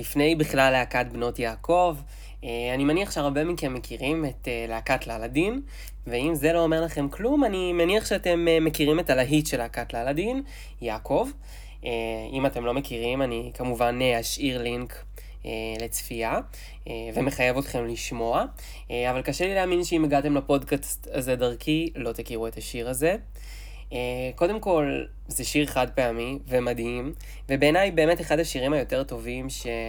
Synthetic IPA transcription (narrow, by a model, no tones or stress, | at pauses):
lifne̞jbiχlalːeakat̚bno̞tjaːko̞v | eanimaniaχʃeaʁbe̞mike̞mːe̞kʰiʁimeteleakatlaladin | veimze̞lo̞ːme̞ʁlaχe̞mklumanimaniaχʃeate̞memekiʁime̞talaɦitʃelakatlaladin | jaːko̞v | eimate̞mlo̞me̞kiʁimanikamuvanehaʃʔiʁliŋk | ele̞t͡sfia | eveme̞χaje̞vo̞tχe̞mliʃmo̞a | avalkaʃelileaːminʃeimeɡat̪e̞mlapo̞dkast̪aze̞daʁkʰilo̞t̪akiʁue̞t̪aʃiʁaze̞ | eko̞de̞mko̞l | zeʃiʁeχad̪̚peamivemad̪im | vebe̞ːnajbe̞ːme̞teχadaʃiʁimajo̞te̞ʁto̞vimʃe̞